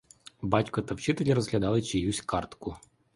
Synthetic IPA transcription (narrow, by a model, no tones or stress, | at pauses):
bɑtʲkɔt̪ɐwt͡ʃɪt̪elʲiɾɔzɦlʲɐd̪ɑlˠɪt͡ʃijjusʲkɑrt̪kʊ